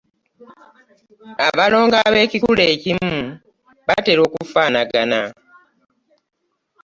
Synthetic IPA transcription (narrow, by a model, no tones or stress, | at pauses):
aβalo̞ːŋɡaβe̞ːcikule̞ːcimu | βate̞ɾo̞ːkufaːnaɡana